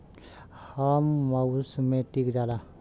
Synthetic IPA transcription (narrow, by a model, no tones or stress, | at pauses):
hamːawusmẽʈikdala